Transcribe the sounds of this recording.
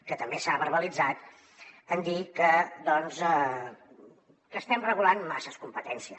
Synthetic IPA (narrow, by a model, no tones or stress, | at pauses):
kət̪əmbesaβərβəlid͡zat̪ | ənd̪ikəd̪ɔnzɛ | kəːst̪ɛmrəɣulanma̰səskumpət̪ɛnsiə